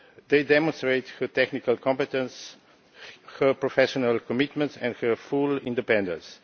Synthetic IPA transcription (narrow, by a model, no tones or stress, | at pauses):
d̪eɪdɛmɔ̃nst̪ɹeɪthətɛknikalkʰɔ̃mpɛt̪ə̃ns | həpɹɔfɛʃɔnalkɔmit̪mɛ̃ntsɛ̰̃ndhəfulɪ̰̃ndipɛ̃ndə̰̃ns